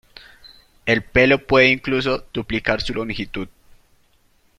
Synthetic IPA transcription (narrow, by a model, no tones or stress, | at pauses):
elpe̞lo̞pweðeiŋklus̬o̞d̪̥uplikaɾsulomixit̪uð